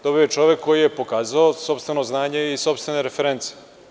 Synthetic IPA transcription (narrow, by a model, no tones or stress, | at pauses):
d̪̥o̞biojet͡ʃo̞ʋjekʰːo̞jijepo̞kaːzaoso̞pst̪ve̞no̞znaːɲe̞iso̞pst̪ve̞neɾefeɾent̪si̥